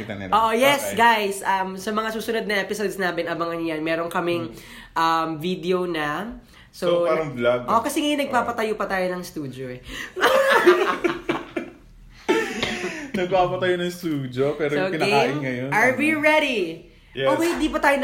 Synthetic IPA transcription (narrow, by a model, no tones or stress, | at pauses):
iɐ̰nɐ̰ʔoːʔojɛsɡajsʔɐmsɐmɐŋasuːsʊnod̪̚nɐʔɛpɪsod̪snaːmɪnɐbɐŋɐnjɐnmɛːɾoŋkɐmɪŋ | ʔɐmvid̪ɛonɐ | sopaːɾɐŋblab̚ʔokɐsɛŋɐjonɐɡ̚paːpɐt̪ɐjopɐt̪aːjonɐŋst̪uːd̪oɛ | nɐɡ̚paːpɐt̪ɐjonɐŋst̪uːd͡ʒ̪jopɛːɾookɪnɐkaːʔɪnŋɐjonɐɹwiɹɛd̪i | ohɪ̃nd̪iːpɐt̪aːjon